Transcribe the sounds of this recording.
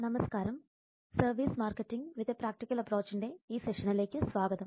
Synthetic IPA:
nɐmɐskaːɾɐm | sɐrʋiːsmaːrkːeʈːiŋʋiðɐpɾaːk̚ʈikʲːɐlɐpro̞ːt͡ɕːinde̞iːseʂɐnile̞ːkʲːɨsʋaːɡɐðɐm

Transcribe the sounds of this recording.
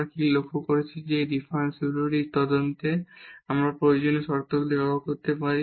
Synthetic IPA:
kilokʰːokoɾet͡ɕʰid͡ʑed̪ifʰansuɾuɾiɾt̪ɔd̪ont̪eamɾapɾojod͡ʑoneʃɔɾt̪okd̪eaakoɾt̪epaɾi

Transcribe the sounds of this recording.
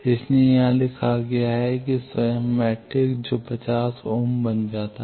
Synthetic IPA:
ɪsnejɐɦãlɪkʰaɡɐjaɦɛkisamɛːʈɪkd͡ʒoːpɐt͡ʃaːsoːmbɐnd͡ʒaːt̪a

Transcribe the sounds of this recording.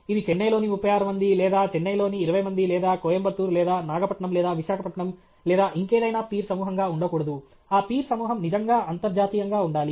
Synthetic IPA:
id̪it͡ʃenːɐjlo̞ːnimupːɐjaːɾɐmɐnd̪ilɛːd̪aːt͡ʃɛnːɐjlo̞ːniːɾɐʋɐjmɐnd̪ilɛːd̪aːkoːjɐmbɐt̪ːuːɾlɛːd̪aːnaːɡɐpɐʈɳɐmlɛːd̪aːʋiʃaːkʰɐpɐʈɳɐm | lɛːd̪aːʔiŋkeːd̪ɐjnaːpiːɾsɐmuːɦɐŋɡaːuɳɖɐkuːɽɐd̪u | aːpiːɾsɐmuːɦɐmnid͡ʒɐŋɡaːʔɐnt̪ɐɾd͡ʒaːt̪iːjɐŋɡaːuɳɖaːli

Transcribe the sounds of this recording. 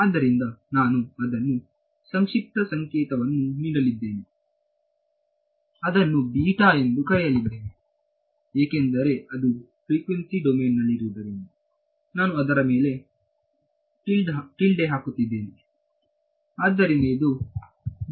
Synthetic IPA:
aːd̪ːɐɾind̪ɐnaːnuɐd̪ɐnːu | sɐŋʂik̚ʈ̪ɐsɐŋkɛːt̪ɐʋɐnːuniːɽɐlid̪ːe̞ːni | ɐd̪ɐnːubiːʈaːe̞nd̪ukɐɽɛjɐlid̪eːni | eːke̞nd̪ɐɾe̞ɐd̪u | fɾiːkʋensiɖomeːnːɐlːiɾuːd̪ɐɾinu | naːnuɐd̪ɐɾɐmeːle̞ | ʈilɖʈilɖeɦaːkut̪ːid̪ːe̞ːni | aːd̪ːɐɾind̪ed̪u

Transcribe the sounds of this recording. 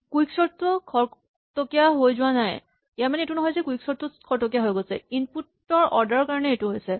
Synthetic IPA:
kuiksɔɹtukʰɔɹ | tokijaɦojzʊwanaj | ijaɹmanɛetunɔɦɔjzɛkuiksɔɹtːukʰɔɹtok̬ijaɦojɡosɛinput | ɔɹʔɔɹdaɹɔkaɹɔnɛetuɦojsɛ

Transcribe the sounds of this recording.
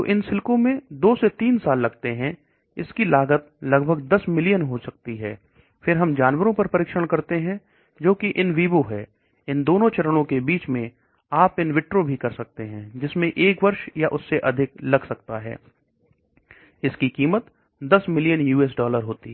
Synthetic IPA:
oʔɪnsɪlkõmẽd̪oːset̪iːnsaːlːɐɡt̪eɦɛ̃ | ɪskilaːɡət̪̚lɐɡbʱəɡ̚d̪ɐsmɪlijənɦosɐk̚t̪iɦɛː | fʰɪɾɦɐmd͡ʒaːnwəɾõpɐɾpɐɾɪːkʃəɽ̃kɐɾt̪eɦɛ̃ | d͡ʒoːkiʔɪnʋiːboɦɛː | ɪ̃nd̪oːnõt͡ʃɐɾəɽ̃õkebiːt͡ʃmẽ | aːpɪnʋɪʈɾobʱikɐɾsɐk̚t̪eɦɛ̃d͡ʒɪsmẽʔeːkʋɐɾʃjaʔʊsːeʔɐd̪ʱɪklɐɡsɐk̚t̪aɦɛ̰ː | ɪskikiːmət̪ | d̪ɐsmɪlijənjuːɛːs̬ɖɔːləɾɦoːt̪i

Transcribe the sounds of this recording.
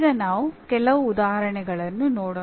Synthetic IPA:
dɐnaːʋukɛlɐʋuːd̪aːɦɐɾɐɳɛɡɐɭɐnːunoːɽo

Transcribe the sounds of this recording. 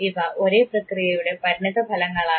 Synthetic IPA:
iʋɐʔo̞ɾe̞ːprɐkrijɐjuɽe̞pɐɾiɳiðɐbʱɐlɐŋːɐɭaː

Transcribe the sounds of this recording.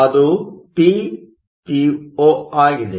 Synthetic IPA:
ɐd̪upi | pioːaːɡile

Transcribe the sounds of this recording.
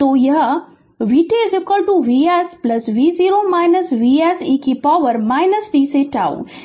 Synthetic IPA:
t̪oːjɐɦ | ʋiːʈeːzekɐɾɖ̪ũʋiːɛːsplɐsʋiːziːɾoːmaːɪnəsʋiɛːsiːkipaːʋəɾmaːɪnəsʈiːseʈa̰ːo̰ː

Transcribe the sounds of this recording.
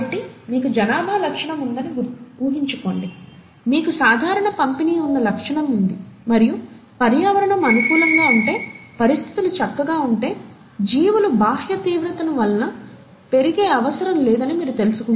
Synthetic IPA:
ɐʈːimiːkud͡ʒɐnaːbʱaːlɐkʂɐɳɐmund̪ɐniuːɦiɲt͡ʃuko̞ːɳɖi | miːkusaːd̪ʱaːɾɐɳɐpɐmpiniːunːɐlɐkʂɐɳɐmund̪imɐɾiju | pɐɾjaːʋɐɾɐɳɐmɐnukuːlɐŋɡaːuɳʈe̞ːpɐɾist̪ʰi̥t̪ilut͡ʃɐkːɐɡaːuɳʈe̞ː | d͡ʒiːʋulubʱaːhjɐt̪iːʋɾɐt̪ɐnuʋɐlɐnɐ | pe̞ɾiɡeːɐʋɐsɐɾɐmleːd̪ɐnimiːɾut̪e̞lusu̥kun

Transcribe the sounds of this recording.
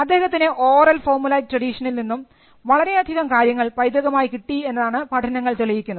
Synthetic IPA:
ɐd̪ːe̞ːhɐt̪ːinɨʔoːrɐlfo̞ːrmulɐjk̚ʈrɐɽiʂɐnilninːum | ʋɐɭɐɾe̞ɐd̪ʱiɣɐmkaːɾjɐŋːɐɭpɐjd̪ɐɣɐmaːjikiʈːie̞nːɐðaːɳɨpɐʈʰɐnɐŋːɐɭt̪uɭɐjikʲːunːɐð

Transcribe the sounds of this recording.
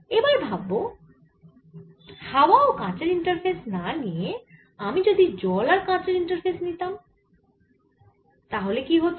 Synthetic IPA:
ebaɾbʱabːo | hawaokãt͡ɕeɾiɳʈaɾfʰesnanije | amid͡ʑod̪id͡ʑɔlaɾkãt͡ɕeɾiɳʈəɾpʰesnit̪am | t̪aɦolekiɦot̪

